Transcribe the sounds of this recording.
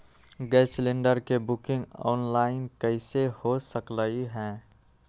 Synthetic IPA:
ɡɛːslẽːɳɖəɾkebʊkɪ̃ŋɡɔ̰ːnlaːɪnkəɪsehosəkləiɦɛ̃ː

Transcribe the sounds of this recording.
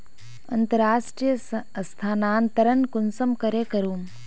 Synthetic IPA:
ɐ̰nt̪ɐɾaːʂʈɾijɐst̪ʰaːnaːnt̪ɐɾɐnkunsɐmkɐɾekɐɾuːm

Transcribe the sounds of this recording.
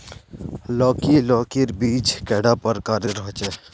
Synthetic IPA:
lɔːkilɔːkiɾbiːt͡ʃkɛːɽapəɾkaːɾeɾɔɦt͡ʃɛ

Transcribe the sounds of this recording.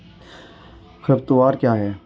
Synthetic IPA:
xəbt̪ʊʋaːɾkjaːɦɛː

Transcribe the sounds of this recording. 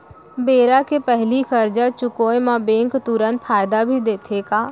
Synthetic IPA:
beːɾakʰepɛɦlixɐɾd͡ʒat͡ʃʊkoːjmãbẽːŋkt̪ʊɾənpʰaːɪd̪abʱid̪eːt̪ʰekaː

